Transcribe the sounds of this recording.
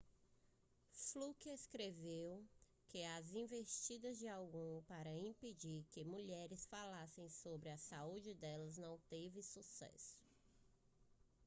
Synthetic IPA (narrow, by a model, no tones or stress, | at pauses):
flukeskɾevew | kɪazĩvest͡ʃid̪ɐzd͡ʒɪawɡũpaɾɐĩped͡ʒiɾkɪmuʎɛɾɪsfalasẽj̃sobɾɪɐsaud͡ʒɪd̪ɛlɐznɐ̃w̃t̪evɪsusɛ̰sʊ̥